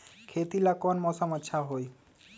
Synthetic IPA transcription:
kʰet̪ilakɔnmɔsɔmɔt̪ːʃʰaɦoj

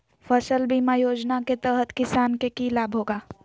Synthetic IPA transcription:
fəʃəlbʱiːmãjoːd͡ʒnaket̪əɦət̪kɪsaːnkekiːlaːbʱɦoːɡaː

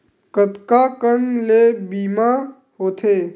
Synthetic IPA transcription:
kət̪kakənlebiːma | ɦoːt̪ʰe

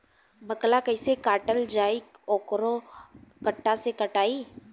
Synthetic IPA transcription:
bɐklakɐɪsekaːʈəld͡ʒaːikɔːkɾokɐʈːasekɐʈaːiː

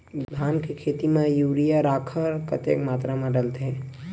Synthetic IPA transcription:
d̪d̪ʱaːnkekʰeːt̪imẽjuːɾijaɾaːkʰəɾkət̪ḛkmaːt̪ɾamãɖəlt̪eɦɛ̃

